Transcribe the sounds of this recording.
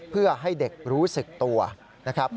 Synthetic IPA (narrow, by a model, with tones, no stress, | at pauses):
pʰɯ˥˩ɐɦa˥˩jde˨˩k̚ɾuː˦˥sɯ˨˩k̚t̪u˧ɐ | na˦˥kʰɾa˦˥p̚